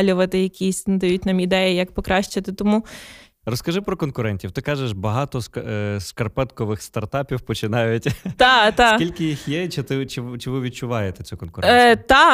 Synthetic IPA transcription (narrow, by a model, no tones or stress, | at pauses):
lʲʊʋɐt̪ɪjɐkʲisʲnd̪ɐjutʲnɐmid̪ɛjijɐkpɔkɾɑʃt͡ʃɐt̪ɪt̪ɔmu | rɔskɐʒɪpɾɔkɔnkʊɾɛnʲtʲiwt̪ɪkɑʒeʃbɐɦɑt̪ɔskɐrpɛt̪kɔʋɪxst̪ɐrt̪ɑpʲiwpɔt͡ʃɪnɑjʊtʲt̪ɑt̪ɑsʲilʲkɪjixjɛt͡ʃɪt̪ɪt͡ʃɪt͡ʃɪʋɪʋʲid̚t͡ʃʊʋɑjet̪et͡sʲukɔnkʊɾt̪ɑ